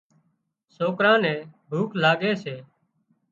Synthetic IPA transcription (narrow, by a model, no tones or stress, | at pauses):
soːkɾãːnɛ̃ːbʱuːklaːɡeːseː